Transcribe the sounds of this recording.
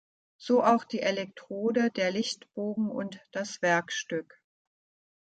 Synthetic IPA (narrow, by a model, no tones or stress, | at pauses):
z̥oːʔaʊxd̥iːʔelɛk̚tʁ̥oːdədeːɐlɪçtb̥oːɡŋ̩ʔʊ̰ntd̥asv̥ɛɐkʃtʏk